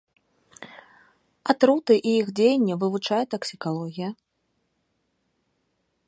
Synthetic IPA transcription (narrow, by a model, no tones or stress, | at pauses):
at̪ɾut̪ɨʔiixd͡zʲejɛnʲːɛvɨvut͡ʂajɛt̪ɐksʲikalˠɔɣʲijɐ